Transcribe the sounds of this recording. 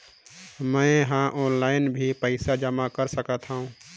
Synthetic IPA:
mə̃ɪɦãʔɔːnlaːɪnbʱipəɪsad͡ʒəmakəɾsəkət̪ɦaɦũː

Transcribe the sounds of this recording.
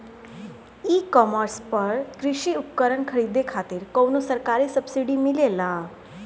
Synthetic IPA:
ikɔməɾspəɾkɾiɕiup̚kəɾəɳkʰəɾid̪ekʰat̪iːɾkownosəɾkaɾiːsəbsiɽimilela

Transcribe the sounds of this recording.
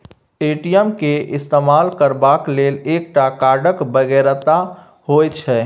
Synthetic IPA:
eʈijəmkeʔɪst̪emalkəɾbaklelek̚ʈakaɾɖəkbəɡɛɾt̪a | hojt͡ʃʰɛ

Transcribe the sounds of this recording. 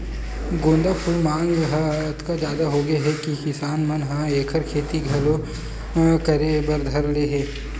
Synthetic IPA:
ɡʊ̃ːnd̪apʰʊlmãːŋɡɦt̪kad͡ʒjaːd̪aɦoɡɐeɦɛkikɪsaːnmɐnɦãeːkʰəɾkʰeːt̪iɡʱɐlo | kɐɾebɐɾd̪ʱɐɾleːɦɛː

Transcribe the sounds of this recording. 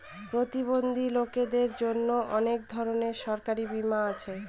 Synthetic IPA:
pɾot̪ibond̪ʱiloked̪eɾd͡ʑonːoʔɔnek̚d̪ʱɔɾoneɾʃɔɾkaɾibimaat͡ɕʰe

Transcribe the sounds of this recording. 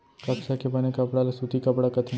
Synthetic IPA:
kɐksakebɐnekɐpɽalasut̪ʰikɐpɽakɐt̪ʰi

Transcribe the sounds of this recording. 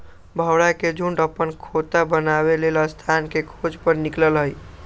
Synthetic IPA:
bʱəwɽaked͡ʒuɳɖəpənkʰot̪abənabelelast̪ʰankekʰod͡ʒpəɾnikləlɦəj

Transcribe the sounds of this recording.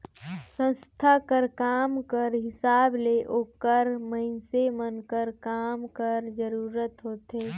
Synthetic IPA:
sə̃nst̪ʰakəɾkaːmkəɾɦɪsaːbleʔoːkəɾməɪnsemənkəɾkaːmkəɾd͡ʒəɾuːɾət̪ɦoːt̪eː

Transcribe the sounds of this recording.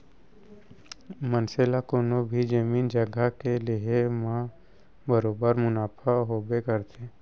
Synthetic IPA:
mənselakoːnobʱid͡ʒəmiːnd͡ʒəɡakeliemã | bəɾoːbəɾmʊnaːpʰaɦoːbekəɾt̪ʰe

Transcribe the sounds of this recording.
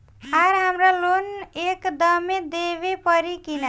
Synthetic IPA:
aɾɦamɾalonekd̪ʌmed̪eβepʌɾikina

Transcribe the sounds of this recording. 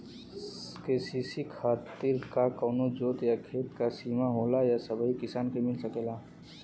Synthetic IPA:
keːsisikʰaːt̪ɪɾkakɔːnod͡ʒoːt̪jakʰeːt̪kasiːmaɦoːlajasɐbʱəɦikɪsaːnkemɪlsəkeːlaː

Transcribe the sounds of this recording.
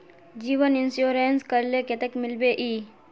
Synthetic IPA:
d͡ʒiːʋənɪnsjoːɾeːnskəɾleket̪ekmɪlbeʔiː

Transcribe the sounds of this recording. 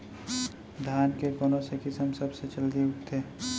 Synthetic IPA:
d̪ʱjaːnkekoːnõsekɪsəmsɐbset͡ʃəld̪iʊkt̪ʰeː

